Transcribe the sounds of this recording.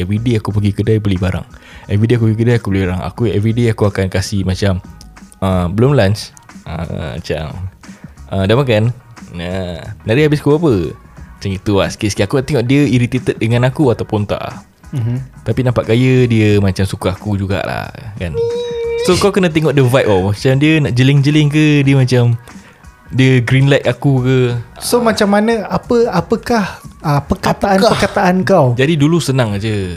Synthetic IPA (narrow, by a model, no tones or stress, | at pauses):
ɛvɾideakupəɡikədajbəlibaɾa̰ŋɛvideak̬upəɡikədajakubəlibaɾaŋa̰kuɛvɾideakuakankasimat͡ʃaməbəlʊmlant͡ʃ | ʔə̰ma̰t͡ʃa̰m | ʔədamakanjaənaɾiabɪskubapəmat͡ʃaŋit̪uaskiʔskiakut̪eŋɔʔdiəiɾit̪et̪ət̪̚dəŋãnakuat̪awpʊnt̪a̰ʔla̰h | t̪apinãmpaʔkajədiəmat͡ʃamsukaakud͡ʒuɡa̰ʔla̰kansokawkənat̪̬eŋɔʔdəvajʔ̚ɔmat͡ʃamdiənaʔd͡ʒəlɪŋd͡ʒəlɪŋkədiəmat͡ʃam | diəɡɾinlajt̪̚akukəsomat͡ʃamːanəapəapəkahəpəkat̪aannpərkat̪aʔankawd͡ʒadidulusənãŋad͡ʒə